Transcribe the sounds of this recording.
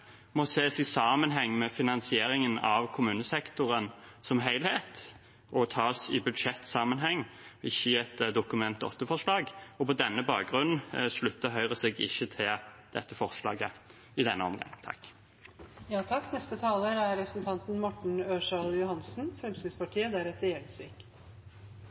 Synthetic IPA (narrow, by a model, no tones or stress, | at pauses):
mɔseːsɪsɑːmənɦɛŋːmɛfɪnɑnsɪeːɾɪŋənɑʋkʰʊmʉːnəsɛkt̪ʊɾənsɔmɦæɪlheːt̪ | ɔt̪ʰɑːsɪbʉd̪ʃɛt̪ːsɑːmənɦɛŋːɪçːəɛt̪d̪ʊkʉmɛnt̪ɔ̰t̪ːəfɔʂlɑːɡɔpʰɔd̪ɛnːəbɑːk̚ɡʁʉnn̩ʂlʉt̪ːəɦœʏʁəseɡɪ̰çːət̪ʰɪld̪̥ɛt̪ːəfɔʁʂlɑ̰ːɡə | ɪd̪ɛnːəɔ̰mɡɑ̰ŋt̪ʰɑ̰kː | jɑːt̪ʰɑkːnɛst̪ət̪ʰɑːləɾæɾɾɛpɾə̥snt̪ʰɑnt̪n̩mɔʈɳ̩øːʂɑljʊhɑnsn̩fɾɛmst̪ʏspɑʈʰiːəd̪æɾɛt̪ːəɾjɛlsʋiːk